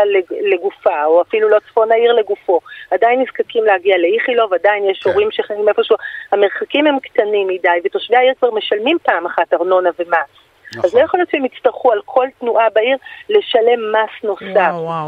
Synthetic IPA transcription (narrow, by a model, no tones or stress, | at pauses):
leleɡufaoafilulot͡sfo̞naiʁle̞ɡufo̞adajinːizkakimleaɡiale̞iχilo̞vadainjeʃo̞ʁimʃeχanimefoʃuhame̞ʁχakimhe̞mkt̪animːidajvet̪oʃveaiʁkvaʁme̞ʃalmimpaːmaχataʁno̞nave̞mas | aznojeχoljotʃeemit͡staʁχualkʰo̞lt̪nuʔabaiʁle̞ʃale̞mːasno̞saf